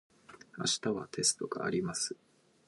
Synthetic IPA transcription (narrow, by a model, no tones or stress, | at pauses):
aɕi̥t̪aβat̪ʰe̞sɨ̥t̪o̞ɡ̥a̰ːɾʲimasɨ̥